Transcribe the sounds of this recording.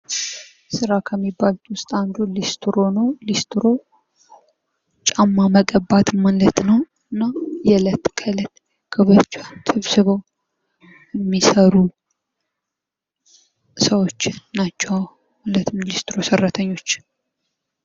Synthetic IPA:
sɨɾakʰəmːibːalt̪wʊst̪ʼand̪ulist̪ʰɾo̞nəwlist̪ɨɾo̞ | t͡ʃʼamːaməkʼəbːat̪manlət̪nəw | ɨnːajɛlət̪kʰələt̪ | kʰəβət͡ʃːat̪ʰɨβsɨβəw | jɛmːisəɾu | səwo̞t͡ʃːɪːat͡ʃːɛwa | alət̪mnlist̪ɨɾo̞sərːat̪ʰəɲːo̞t͡ʃː

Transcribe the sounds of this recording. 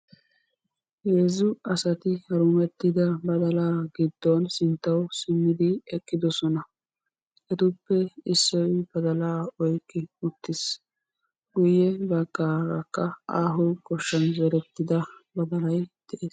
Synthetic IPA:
jeːzʊɐsɐt̪ɪhɐɾʊmɛt̪ːɪd̪ɐbɐd̪ɐlaːɡɪd̪̥ːɔnsɪnt̪ːɐwsɪmːɪd̪ɪɛkʼːɪd̪ɔsɔnɐ | ʔɛt̪ʊpːɛɪsːɔjb̥ɐd̪ɐlaːɔjkʼːɪʊt̪ːɪs | ɡʊjːɛbɐɡʼːaɡɐkːɐaːɦʊkʼɔʃːɐnzɛɾɛt̪ːɪd̪ɐbɐd̪ɐlɐjd̪̥ɛʔeːs

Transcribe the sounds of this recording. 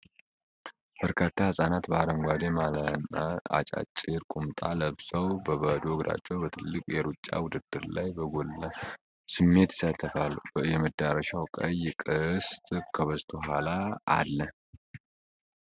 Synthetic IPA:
b̥əɾkʰat̪ʰːahɨsʼanat̪bəaɾəmɡʷad̪emalnːaa̰t͡ʃʼa̰t͡ʃʼɪɾkʼumt̪ʼa̰ləβsəwbəβəd̪oɨɡɾa̰t͡ʃːɛwbət̪ʰɨlːɨkʼjɛɾut͡ʃʼːa̰wʊd̪ɨd̪ːɨɾlajbəɡolːə | sɨmːe̞t̪ɪ̥sat̪ʰːəfaljɛməd̪aɾəʃawkʼəjkʼɨst̪ʼkʰəβəzt̪ʰoɦala̰ːlːə

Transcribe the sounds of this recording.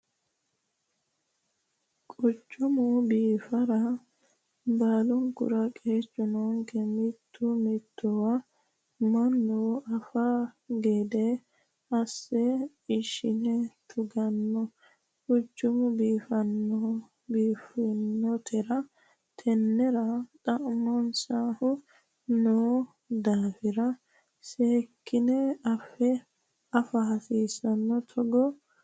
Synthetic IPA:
kʼʊt͡ʃʼːʊmʊbiːfɐɾɐ | baːlʊmkʊ̰ɾɐkʼeːt͡ʃʼːʊnoːŋkɛmɪt̪ʰːʊmɪt̪ːɔwɐ | mɐnːuɐfaɡeːd̪ɛ | ɐsːɛ | ɪʃɪnɛt̪ʰʊɡɐnːɔ | ʔʊd͡ʒːʊmʊbiːfɐnːɔ | biːfɪnːɔt̪ʰɛɾɐ | t̪ʰɛnːɛɾɐt̪ʼɐʔmɔnsaːhʊ | noː | d̪aːfɪɾɐ | seːkːɪnɛɐfːɛ | ɐfɐhɐsiːsɐnːɔt̪ʰɔɡɔ

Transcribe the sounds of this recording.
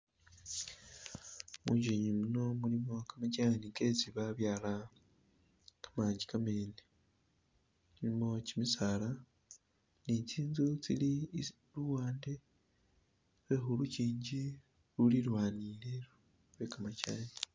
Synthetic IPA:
mṵːɲɟeɲimuno̞mulimo̞kamacaniŋket͡siβaβjaːla | kʰḁmaːɲɟikameni | mulimo̞cimisala | nit͡siːnzut͡sili | ɾuwaːnde | βwexuɾuciːɲɟi | ɾuliɾwaːnileɾu | βekamacaːni

